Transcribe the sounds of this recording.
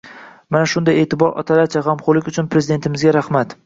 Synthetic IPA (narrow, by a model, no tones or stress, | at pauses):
manaʃʊnd̪aje̞ːt̪ɪbɒɾɒ̰t̪ʰalaɾt͡ʃʰaʁamqʰolɪkʲʊt͡ʃʰʊnpɾe̞zɪd̪e̞nt̪ɪmɪzɡʲaɾahmat̪